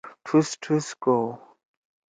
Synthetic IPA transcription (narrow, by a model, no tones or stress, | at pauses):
tʰustʰusko